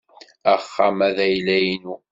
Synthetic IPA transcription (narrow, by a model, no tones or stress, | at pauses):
æχːamæðæjlæjnu